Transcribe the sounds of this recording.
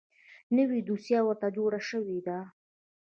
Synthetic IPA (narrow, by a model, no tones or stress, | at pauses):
nəwid̪usjɑwəɾt̪ad͡ʒoɽaʃəwid̪a